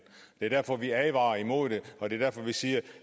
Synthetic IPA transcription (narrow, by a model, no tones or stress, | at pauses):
d̥e̝ɐd̥æɐfɒ̽ʋiɛʋɑ̈ːɐimo̝ð̰ˠd̥e̝ɒ̽d̥e̝ɐdæɐ̰fɒ̽ʋisiːɐ